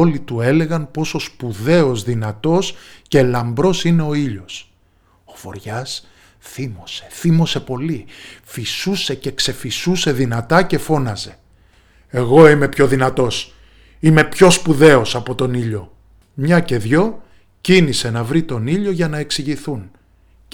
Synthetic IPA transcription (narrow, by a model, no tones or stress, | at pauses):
o̞lit̪ue̞le̞ɣɐnpo̞so̞spuðe̞ozðinɐt̪o̞sce̞lɐmbɾo̞sine̞o̞iʎo̞s | ofo̞̰ɾʝɐs | θimose̞̥θimo̞se̞po̞lifisuse̞ce̞kse̞fisuse̞ðinɐt̪ɐce̞fo̞nɐze̞ | eɣo̞ime̞pço̞ðinɐt̪o̞s | ime̞pço̞spuðe̞o̞sɐpo̞t̪o̞niʎo̞ | mɲɐce̞ðʝo̞ | cinise̞nɐvɾit̪o̞niʎo̞ʝɐnɐe̞ksiʝiθun